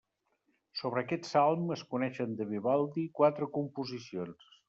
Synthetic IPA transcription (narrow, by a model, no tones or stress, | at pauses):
soβ̞ɾəːkɛt̪salˠməskunɛʃənd̪əβiβalˠd̪ikwat̪ɾəkumpuzisions